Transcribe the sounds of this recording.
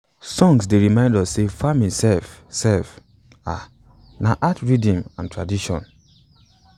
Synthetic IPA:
sɔ̃ŋs̬deɹimãɪ̃ndɔssefamĩnsɛlfsɛlf | a̰ | naʔatɹidɔ̃mãntʰɹadiʃɔ̰̃n

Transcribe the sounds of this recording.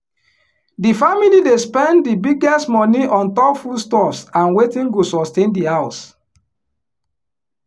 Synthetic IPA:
difamilidespɛ̃nddibiɡɛstmɔ̃niʔɔ̃ntɔpfustɔsãnwetĩnɡosɔstẽndihaʊs

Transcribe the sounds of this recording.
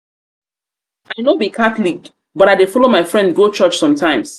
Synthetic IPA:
aɪnobikʰatlik | bɔɾaɪdefɔlomaɪfɹɛ̃ndɡot͡ʃɔt͡ʃsɔ̃mtʰãɪ̃ms

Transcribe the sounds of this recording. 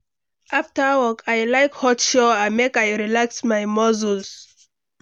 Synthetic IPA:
ʔaftəwɔkʰajlaɪkhɔtʃɔajmekajɹilaksmajmɔzuls

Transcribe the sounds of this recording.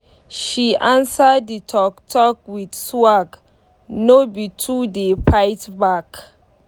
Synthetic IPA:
ʃiʔãnsədːitʰɔk̚tʰɔk̚widswaɡ | nobitʰudepʰaɪtbak

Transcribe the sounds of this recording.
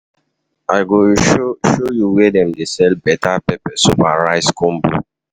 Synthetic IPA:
aɪɡoʃojuwɛdɛ̃mdesɛlbɛtapɛpɛsupaɹaɪskɔ̃mbo̰

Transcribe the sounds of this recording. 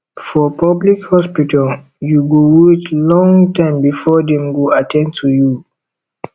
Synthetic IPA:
fɔpablikhɔspitʰal | juɡowet͡ʃlɔ̃ŋtãɪ̃mbifɔdɛ̃mɡoatʰɛ̃ntʰuju

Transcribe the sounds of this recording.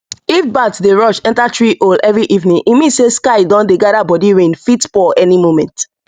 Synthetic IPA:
ifbatdeɹɔʃɛ̃ntatɹiʔolɛvɹiʔivnĩŋʔimĩseskaɪdɔ̃ndeɡadabɔdiɹẽnfitfɔʔɛnimomɛ̃nt

